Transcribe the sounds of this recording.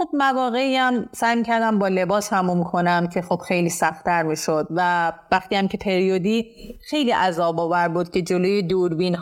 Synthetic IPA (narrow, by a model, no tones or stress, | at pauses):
ob̚mævɒːɣe̞iæmsæjmiːcʰæɾd̪æmbɒːle̞bɒːshæmumikʰo̞næmcʰe̞xob̥xe̞jliːsæxt̪ʰæɾmiːʃo̞d̪̚vævæxt̪iæmcʰe̞pʰe̞ɾiod̪iː | xe̞jliːʔæzɒːbɒːvæɾbuːd̪̚cʰe̞d͡ʒoloːjed̪uːɾbiːn